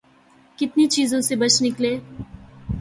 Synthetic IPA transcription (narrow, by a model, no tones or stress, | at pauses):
kɪt̪nit͡ʃiːzõsebɐt͡ʃnɪkleː